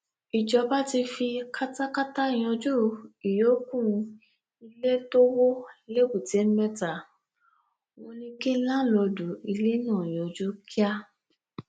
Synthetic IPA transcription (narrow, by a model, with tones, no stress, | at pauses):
i˨d͡ʒɔ˧ba˦ti˧fi˧ka˦ta˦ka˦ta˦˨j̃ɔ̃˧d͡ʒu˦i˨jo˨˦kũ˦˨˧ | i˧le˦to˦wo˦le˦bu˨te˨˦mɛ˦ta˨ | w̃ɔ̃˧nĩ˧kĩ˦lã˦lɔ˧du˨˦i˧le˦nã˦˨j̃ɔ̃˨d͡ʒu˦ki˦a˦